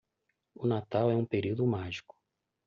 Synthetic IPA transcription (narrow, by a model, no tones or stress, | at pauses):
ʊnat̪awɛũpeɾiwd̪ʊmaʒikʊ̥